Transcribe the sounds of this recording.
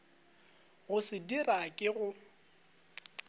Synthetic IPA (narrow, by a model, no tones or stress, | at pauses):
ɣʊsɪdirakʼɪɣʊ